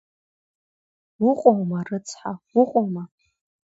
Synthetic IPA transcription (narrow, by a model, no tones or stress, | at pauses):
wʊqʷʼowmɐrɨt͡sʰʼħawʷʊqʷʼowma